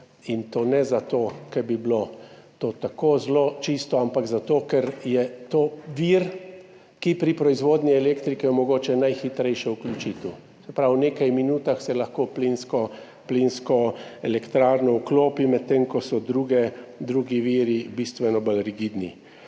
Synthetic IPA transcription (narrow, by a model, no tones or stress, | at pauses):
int̪oːnɛzat̪oːkɛɾbiblot̪oːt̪akoːzlot͡ʃist̪ɔampaɡzat̪oːkɛɾjɛt̪oːʋiɾ | kipɾipɾɔizʋoːd̪nʲiɛleːkt̪ɾikɛmɔɡoːt͡ʃɛnajxit̪ɾɛjʃɛuklʲut͡ʃit̪u | sɛpɾawneːkajminuːt̪axsɛlaxkoːplinskɔ | plinskɔɛlɛkt̪ɾaːɾnɔukloːpimɛt̪ːemkɔsɔd̪ɾuːɡɛd̪ɾuːɡiʋiːɾibist̪ʋɛnɔbalɾiɡid̪nḭ